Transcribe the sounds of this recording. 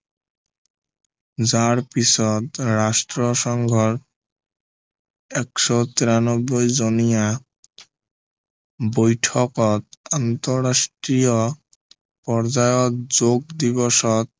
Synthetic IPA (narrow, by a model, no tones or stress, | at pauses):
d͡zaɾpisɔt̪ɾasʈɾɔʃɔŋɡʱɔɾ | ɛkʃɔt̪iɾanɔbːojd͡ʑonija | bojʈʰɔkɔt̪ant̪ɔɾasʈɾijɔ | pɔɾd͡zajɔt̪d͡ʑoɡ̚d̪iβɔʃɔt̪̚